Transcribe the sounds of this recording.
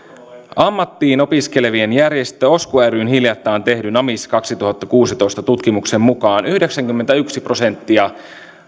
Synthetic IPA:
ɑmːɑt̪ːiːno̞pisk̟e̞leʋie̞njærje̞st̪øo̞skuæɾyːnhiljɑt̪ːɑːnt̪e̞hdynɑmiskɑksit̪uhɑt̪ːɑkuːsit̪o̞jst̪ɑt̪ut̪k̟imukse̞mːukɑːnyhde̞ksæŋkymːent̪æyksipro̞se̞nt̪ːiɑ

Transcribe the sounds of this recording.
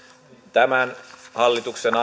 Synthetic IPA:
t̪æmænhɑlːit̪uksenɑ

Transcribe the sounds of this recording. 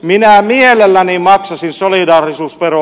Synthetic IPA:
minæmielelːænimɑksɑsinsolidɑːrisuːspero

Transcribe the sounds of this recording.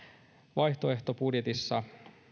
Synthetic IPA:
ʋɑjht̪o̞e̞ht̪obudjet̪isːɑ

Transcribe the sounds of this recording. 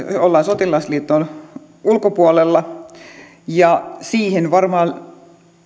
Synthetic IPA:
olːɑːnsot̪ilɑisliːt̪ːˑon | ulkopuolelːɑ | jɑsiːhenʋɑrmɑːn

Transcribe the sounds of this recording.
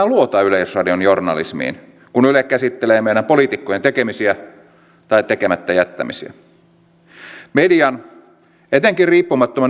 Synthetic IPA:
æluot̪ɑyleisrɑdionjornɑ̰lḭsmḭːn | kunylekːæsit̪ːeleːmeiɾæmpolit̪ikːojent̪ekemisiæ | t̪ɑit̪ekemæt̪ːæjæt̪ːæ̰misiæ̰ | mediɑn | et̪eŋkirriːpːumɑt̪ːomen

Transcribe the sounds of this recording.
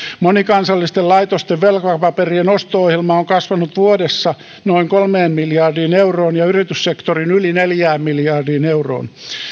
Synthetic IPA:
monikɑnsɑlːist̪ellɑit̪ost̪eʋʋelkɑpɑperienost̪oohjelmɑoŋkɑsʋɑnut̪ʋuodesːɑ | noiŋkolmeːmmiljɑrdiːneuroːnjɑyrit̪yssekt̪orinylineljæːmmiljɑːrdiːneuro̰ːn

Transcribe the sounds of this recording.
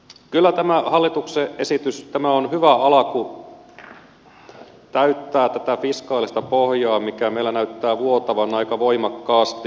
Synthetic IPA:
kylːæt̪æmæhɑlːit̪ukseʔesit̪yst̪æmæonhyʋæɑlɑku | t̪æyt̪ːæːt̪æt̪æfiskɑːlist̪ɑpohjɑːmikæmeilːænæyt̪ːæːʋuot̪ɑʋɑnɑikɑʋoimɑkːɑːst̪i

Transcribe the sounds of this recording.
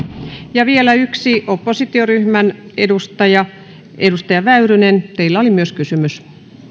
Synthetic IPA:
jɑʋielæyksiʔopːosit̪ioryhmænedust̪ɑjɑ | ʔedust̪ɑjɑʋæyrynent̪eilːæolimyøskysymys

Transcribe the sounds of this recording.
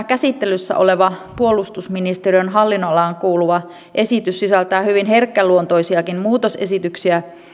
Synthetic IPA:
kæsit̪ːelysːæ̰ʔo̞̰le̞ʋɑpuo̞lust̪usminist̪eriønɦɑlːinːolːɑːŋkuːluʋɑ | ʔe̞sit̪ysːisælt̪æːhyʋinɦerkːælːuont̪o̞jsiɑkinmuːt̪ose̞sit̪yksiæ

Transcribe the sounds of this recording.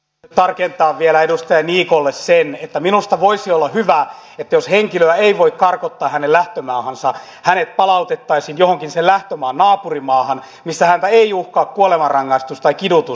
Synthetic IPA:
t̪ɑrkent̪ɑːʋʋielæedust̪ɑjɑniːkolːessenet̪ːæminust̪ɑʋoisiolːɑhyʋæet̪ːæjosheŋkiløæeiʋoikkɑrkot̪ːɑːhænellæht̪ømɑːhɑnsɑ | hænet̪̚pɑlɑut̪et̪ːɑisinjohoŋkinsellæht̪ømɑːnnɑːpurimɑːhɑn | misːæhænt̪æeijuhkɑːkkuolemɑrɑŋːɑist̪ust̪ɑikidut̪us

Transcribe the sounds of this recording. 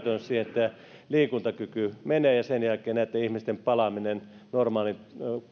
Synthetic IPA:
t̪ønssiːhenet̪ːæ | liːkunt̪ɑkykymeneːjɑsenjælkˑeːnæˑet̪ːæihmist̪empɑlɑminen | normɑːlint̪

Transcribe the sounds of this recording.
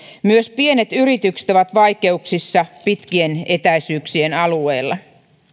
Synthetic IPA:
myøspie̞ne̞t̪yrit̪ykse̥t̪oʋɑt̪ʋɑjke̞uksisːɑpit̪kie̞ne̞t̪æisyːksie̞nɑlueːlːɑ

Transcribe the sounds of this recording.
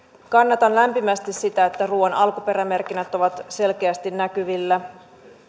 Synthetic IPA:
kɑnːɑt̪ɑnlæmpimæst̪issit̪æet̪ːæruːɑnɑlkupe̞ɾæme̞rkinæt̪o̞ʋɑt̪se̞lk̟e̞æst̪innækyʋilːæ

